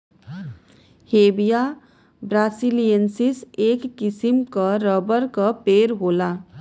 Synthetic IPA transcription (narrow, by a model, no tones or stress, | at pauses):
heːbija | bɾaːsilijənsiseːkːɪsimkaɾəbəɾkapeːɾɦoːlaː